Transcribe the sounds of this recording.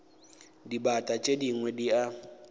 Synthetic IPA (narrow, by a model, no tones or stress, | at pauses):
dibatʼat͡ʃʼediŋwɛdia